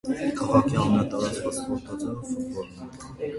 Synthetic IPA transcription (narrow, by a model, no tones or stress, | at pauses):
kʰɑʁɑkʰiɑmɛnɑt̪ɑɾɑt͡skʰɑt͡spɔɾt̪ʰɑt͡sʰɑvfuvɔɾnɛɾ